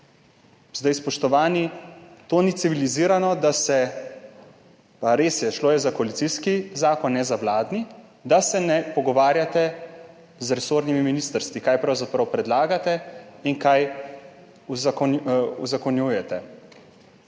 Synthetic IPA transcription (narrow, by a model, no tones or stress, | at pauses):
zd̪ajspɔʃt̪ɔʋaːnit̪oːnit̪siʋiliziːɾanɔd̪asɛ | paɾeːsjɛʃloːjɛzakɔalit̪siskizaːkɔnːɛzaʋlaːd̪ni | d̪asɛnɛpɔɡɔʋaːɾjat̪ɛ | zɾɛsoːɾnimiminiːst̪əɾst̪ʋikaːjpɾawzapɾawpɾɛd̪laːɡat̪ɛinkaj | uzakɔuzakɔnjujɛt̪ɛ